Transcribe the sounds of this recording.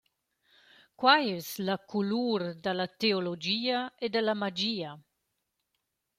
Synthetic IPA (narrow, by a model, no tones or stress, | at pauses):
kwajɛslakuluːɾd̪alat̪eolod͡ʒiːaed̪əlamad͡ʒiːa